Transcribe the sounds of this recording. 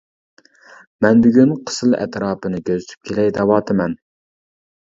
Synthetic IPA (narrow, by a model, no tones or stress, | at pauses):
mɛnbyɡʲynqʰə̥sɨlˠɛ̰t̪ʰɾɑːpɨnɨkʲøzyt̪ʰy̥p̚kʲʰelɛjd̪ɑwɑːt̪ʰɨmɛn